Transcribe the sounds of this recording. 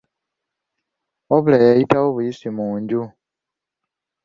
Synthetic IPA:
oβulejejitawoβujisimuːɲɟu

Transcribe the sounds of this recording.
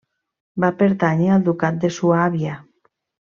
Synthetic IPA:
bapeɾt̪aɲald̪ukat̪̚d̪esuaβja

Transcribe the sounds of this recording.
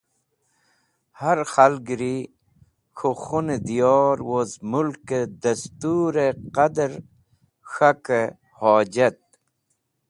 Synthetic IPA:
haɾxalɡɾi | xʰoxoned̪ijɔːɾwozmulked̪ɐst̪uːɾeqad̪əɾ | xake | hɔːd͡ʑɐt̪̚

